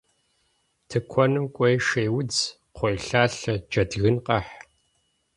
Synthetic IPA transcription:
tʰɨkʷʰɔnɨmkʷʼɔjʃeːwʊd͡z | qʷojɬaːɬɐd͡ʒɐdɣɨnqʼɐħ

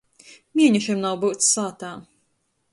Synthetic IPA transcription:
mʲiɛɲuʃimnawbuwt̪ssaːt̪aː

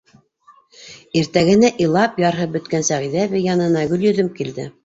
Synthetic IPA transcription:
iɾt̪æɡɘ̆næʔĭlˠɑpjɑɾɦɤbɵ̆t̪kænsæʁiðæβɘjɑnɤ̆nɑɡɵ̆ljɵ̆ðɵmkild̪ɘ̰

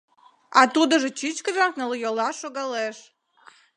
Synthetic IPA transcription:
ɑt̪ud̪ə̆ʒə̆t͡ɕit͡ɕkəʒɑknəlˠəjolɑʃoɣɑleʃ

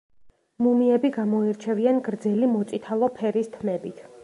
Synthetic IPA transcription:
mumiɛbiɡamɔiɾt͡ʃʰɛvianɡɾd̪zɛlimɔt̪sʼit̪ʰalˠɔpʰɛɾist̪ʰmɛbit̪ʰ

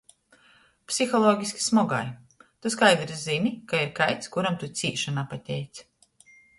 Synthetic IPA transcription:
psʲixɔlˠɔːɡʲisʲkʲi̥smɔɡa̰j | t̪uskajd̪ɾzinikaiɾkajt̪skuɾamt̪ut̪sʲiːʃanaːpat̪ʲɛjt̪s

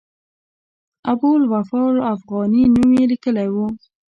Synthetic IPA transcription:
abulwafɑlafɣɑninuwelikəlajwu

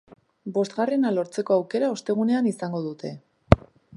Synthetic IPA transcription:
bo̞st̪ɡɣare̞nalo̞ɾt͡se̞ko̞awke̞ɾao̞st̪e̞ɣ̞une̞anisaŋɡo̞ð̞ut̪ʰe̞

